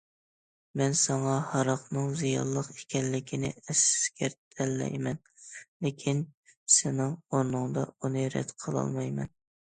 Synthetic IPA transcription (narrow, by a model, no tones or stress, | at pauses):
mɛnsɑŋɑhɑɾɑqnɨŋzijɑ̰lˠːəqe̥kʲʰɛnːɪkʲʰinɪ̰ɛskʲɛɾt̪ʰɛlːɛ̰jmɛnlɪkʲʰinsɪnɪŋoɾnɨŋd̪ɑunɨɾɛ̰t̪qʰəlˠɑ̰lˠmɑjmɛ̰n